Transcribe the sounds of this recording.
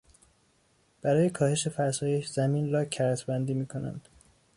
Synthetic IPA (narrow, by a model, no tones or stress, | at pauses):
b̥æɾɒːje̞kʰɒːhe̞ʃe̞fæɾsɒːje̞ʃzæmiːnɾɒːcʰæɾt̪ʰbænd̪iːmiːkʰo̞næ̰nd̪̥